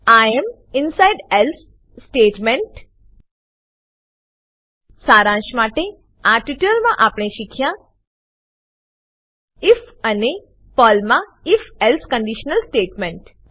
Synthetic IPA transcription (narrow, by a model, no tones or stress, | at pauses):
aem | ɪnsaɪɖels | sʈeːʈmẽɳʈ | saːɾãʃmaːʈe | aʈiʈəlmãʔaːpɳẽʃikʰjã | ɪfəne | pɔːlmã | ɪfɛlskə̃ɳɖiʃnəlsʈeːʈmẽɳʈ